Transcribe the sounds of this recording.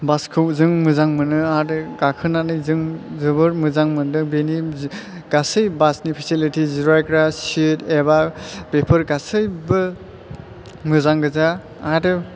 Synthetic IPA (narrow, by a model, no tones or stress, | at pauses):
baskʰɯwzɯŋmɯzaŋmɯnɯadɯɡakʰɯnanɯjzɯŋzɯbɯɾmɯzaŋmɯndɯbeni | ɡ̥asɯjbasnipʰisilitiziɾaajkɾassitebab̥epʰɯɾɡasɯjbɯ | mɯzaŋɡɯza | adɯ